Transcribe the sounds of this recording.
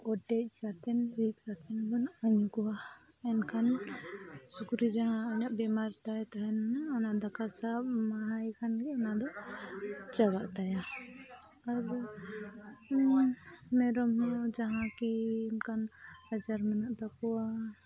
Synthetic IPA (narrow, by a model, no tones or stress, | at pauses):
ɔʈɛc̚ˀkat̪ɛnɾit̪̚kat̪ʰɛnɡɔnʔaɲkɔwa | ɛnkʰan | sukɾid͡ʒaɦãɔɲaʔbɛmaɾt̪ajt̪aɦɛnnaɔnaʔd̪akasab̚maɦajkʰanɡɛɔnaʔd̪ɔʔ | t͡ʃabaʔt̪aja | aɾdɔ | mɛɾɔmɦɔ̃d͡ʒaɦãkinkʰanhad͡ʒaɾmanaʔd̪ɔkɔwa